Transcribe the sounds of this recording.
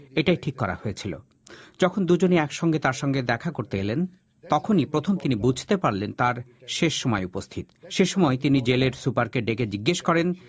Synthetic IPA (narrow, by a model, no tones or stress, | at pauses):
eʈajʈʰikːɔɾa̰hoet͡ɕʰilo̰ | d͡ʑɔkʰond̪ud͡ʑoniɛkʃɔŋɡet̪aɾʃɔŋɡed̪ɛkʰakoɾt̪eelen | t̪ɔkʰonipɾot̪ʰomt̪inibud͡ʑʱt̪epaɾlent̪aɾʃeʃːomɔeupost̪ʰit̪ʃeʃɔmɔet̪inid͡ʑeleɾsupaɾkeɖeked͡ʑiɡːeʃkɔɾen